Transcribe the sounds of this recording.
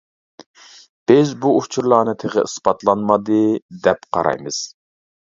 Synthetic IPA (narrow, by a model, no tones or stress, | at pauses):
b̥ɪzbuut͡ʃʰuɾlˠɑːnɨt̪ʰeʁɪ̰ɨsbɑt̪lˠɑnmɑd̪ɨd̪ɛpqʰɑ̰ɾɑ̰jmɨz̥